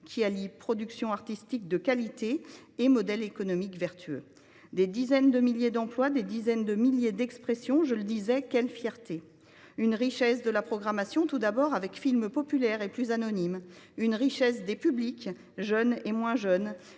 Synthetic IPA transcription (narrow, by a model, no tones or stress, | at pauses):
kʲʰialipχɔd̪yksjɔ̃aʁt̪ist̪ik̚d̪əkalit̪eːmɔd̪ɛlekɔnɔmikvɛʁt̪ʰyø̰ | d̪ed̪izɛnd̪əmiljed̪ɑ̃plwad̪ed̪izɛnd̪əmiljed̪ɛkspχesjɔ̃ʒələd̪izɛkʲɛlfjɛʁt̪e | ynʁiʃɛsd̪əlapχɔɡʁamasjɔ̃t̪ud̪abɔʁavɛkfilmpɔpylɛʁeplyzanɔnim | ynʁiʃɛsd̪epyblik | ʒœnemwɛ̃ʒœn